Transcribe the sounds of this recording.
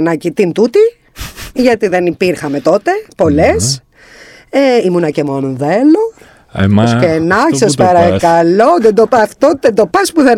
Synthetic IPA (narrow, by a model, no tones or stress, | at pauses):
nɐcit̪int̪ut̪i | ʝɐt̪iðenipiɾxɐme̞t̪o̞t̪e̞po̞les | eimunɐcemonðelo | oskenɐçsɐspɐɾɐkɐloðend̪opɐt̪ot̪ed̪o̞pɐspuðe